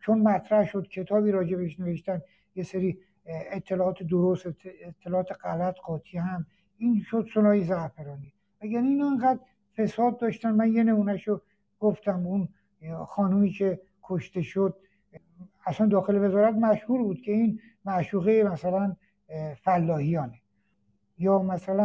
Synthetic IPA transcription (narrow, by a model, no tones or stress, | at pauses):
t͡ʃʰonmæt̪ʰɾæhʃod̪̥cʲʰe̞t̪ʰɒːbiːɾɒːd͡ʒe̞beeʃne̞veʃt̪ænd̪ | jeseɾiː | et̪ʰːe̞lɒːɒːt̪ʰed̪oɾost̪et̪ʰːelɒːɒːt̪ʰeɡælæt̪ʰɢɒːt̪ʰihæm | iːnʃod̪solɒːjezæhfeɾɒːni | mæjæniːnɒeŋɡæd̪ | fesɒːd̪̚ːɒːʃt̪ænmænje̞ne̞muːnæʃo | ɡ̥oft̪æmun | xɒːnumiːcʰe̞ | kʰoʃt̪e̞ʃod̪̥̚ | æsænd̪ɒːxe̞leve̞zɒːɾæt̪mæʃhuːɾbuːd̪̥cʰe̞in | mæʃuːɣejemæsælæn | fælːɒːhijɒːne | jɒːmæsælæn